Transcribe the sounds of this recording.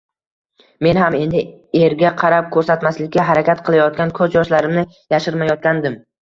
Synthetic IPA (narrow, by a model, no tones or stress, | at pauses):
me̞nhame̞nd̪ɪeɾɡʲaqʰɑɾap̚kʰɵɾsat̪maslɪkʲːaɦaɾakʲat̪qʰɨlˠajɒt̪̚kʲankʰɵzjɒʃlaɾɪmnɪ | jaʃɪɾmajɒt̪̚kʲand̪ɪm